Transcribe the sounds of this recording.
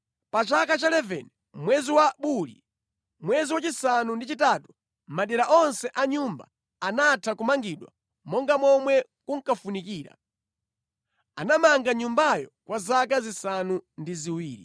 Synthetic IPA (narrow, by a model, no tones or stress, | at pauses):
pat͡ʃakat͡ʃalɛvɛ̰n | mwɛziwaɓulḭ | mwɛziwat͡ʃisanundit͡ʃitaːtu̥ | m̩maɗɛɾaʔɔnsɛʔaɲumba̰ | anatʰakumaŋɡiɗwa̰ | mɔŋɡamɔmwɛ | kuŋ̩kafunikiːɾa̰ | anamaŋɡaɲumbajɔkwʔazakazisanundiziwiːɾḭ